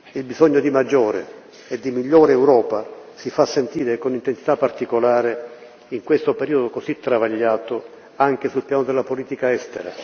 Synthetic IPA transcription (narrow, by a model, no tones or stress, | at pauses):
ilbizɔɲːod̪imad͡ʒːɔːɾḛ | ɛd̪ːimiʎːɔːɾeːwɾɔːpasifasːent̪iːɾekonint̪ensit̪apːart̪ikolaːɾe | iŋkwest̪opeɾiːod̪okozit̪ːɾavaʎːaːt̪o | aŋk̟esulpjaːnod̪elːapoliːt̪ikaɛst̪eɾa̰